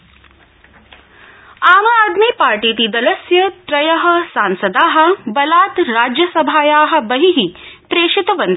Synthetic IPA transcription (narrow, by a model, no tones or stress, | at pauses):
aːmaaːd̪miːpaːɾʈiːt̪id̪ɐlɐsjɐt̪ɾɐjɐɦɐsaːnsɐd̪aːɦɐ̆bɐlaːt̪ɾaːd͡ʒjɐsɐbʱaːjaːɦɐ̆bɐɦiɦipɾeːʃit̪ɐʋɐnd̪